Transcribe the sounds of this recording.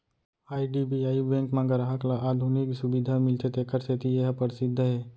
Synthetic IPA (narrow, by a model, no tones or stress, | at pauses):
aːiɖibiaːibɛ̃ːŋkmãɡəɾaɦaklaʔaːd̪ʱunɪksʊbɪd̪ʱamɪlt̪ʰet̪ekəɾset̪ijeɦpəɾsɪd̪ʱːəɦɛː